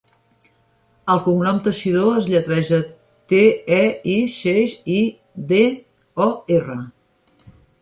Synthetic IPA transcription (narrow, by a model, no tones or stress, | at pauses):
əlˠkuŋnɔmt̪əʃiðoəzʎət̪ɾɛʒə | t̪eɛiʃeʃi | de | ɔerə